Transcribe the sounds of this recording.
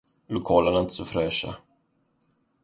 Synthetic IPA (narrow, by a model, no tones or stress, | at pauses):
lʊkʰɑːlənaɪnt̪ə̥sɔfɾɛːʂa̰